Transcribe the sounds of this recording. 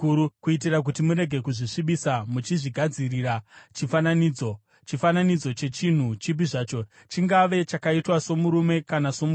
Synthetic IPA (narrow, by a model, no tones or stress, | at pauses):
ukuit̬irak̬utimuɾe̞ɡʱe̞kuʐiʂiɓisamut͡ʃiʐiɡʱad͡zirirat͡ʃifananiːd͡zo̞ | t͡ʃifananid͡zo̞t͡ʃe̞t͡ʃin̤ut͡ʃip̬iʐaːt͡ʃo | t͡ʃiŋɡaʋe̞t͡ʃakaitwaso̞muɾume̞kanaso̞mu